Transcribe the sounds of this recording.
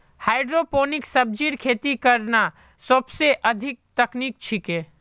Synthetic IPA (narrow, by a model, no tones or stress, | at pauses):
haːɪɖɾopoːnɪksəb̚d͡ʒiɾkʰeːt̪ikəɾna | səbseʔəd̪ʱɪk̚t̪ɐknik̚t͡ʃʰikeː